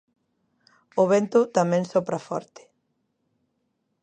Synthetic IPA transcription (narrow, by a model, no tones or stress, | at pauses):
ʊβent̪ʊt̪amɛ̃ŋsopɾafɔ̰ɾt̪ɪ̥